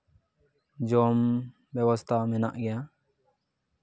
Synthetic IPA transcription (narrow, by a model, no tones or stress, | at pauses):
d͡ʒɔm | bɛwɔst̪ʰamɛna̰ʔɡɛja